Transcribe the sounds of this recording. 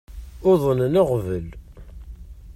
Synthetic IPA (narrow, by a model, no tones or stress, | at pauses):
ʊðˤənnəʁvəl